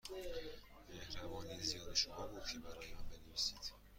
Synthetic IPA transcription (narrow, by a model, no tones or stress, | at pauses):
mehɾævɒːnezijɒːd̪eʃomɒːbukʰebæɾɔjmambenevisid̪̥